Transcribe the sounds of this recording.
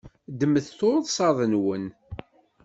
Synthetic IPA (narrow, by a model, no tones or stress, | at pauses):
d̪əməθθoɾəðˤsˤɑðˤənwən